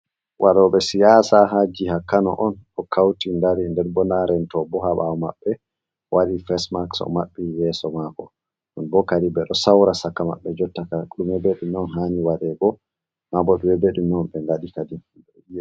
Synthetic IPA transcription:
wʔaɗɔɓɛsijasaɦad͡ʒihakːanɔ̰ʔɔnɗɔkʰawtindaɾindɛɾbɔnaɾɛntɔbɔɦaɓaɔma̰ɓːɛ | wʔaɗifɛsmaksɔ̰maɓːijɛsɔmaɡɔ̰ | ɗunbɔkaɾibɛɗɔsawɾasakːama̰ɓːɛd͡ʒɔtːakaɗumɛbeɗumɔnɦaniwaɗɛɡɔ | mabɔɗumɛbeɗumɔmɓɛnɡaɗikadi | ɛi

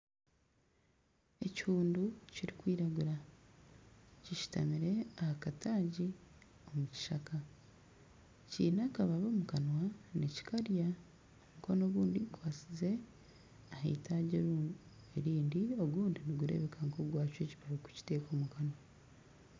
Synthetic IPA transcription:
e̞chuːnduciɾikwiːɾaɡuɾa | ciʃi̥ta̰miɾe̞ahakatʰaːɟi | o̞muci̥ʃaka | cḭːnakaβaβo̞ːmukanwaneci̥kaɾja | omukono̞βuːndiɡukwaːt͡size̞ | ahaitʰaːɟe | eɾiːndio̞ɡuːndiniɡuɾe̞̰βe̞kʰaŋkoɡwaːcwe̞ciβaβiku̥ci̥te̞ːko̞ːmukanwa

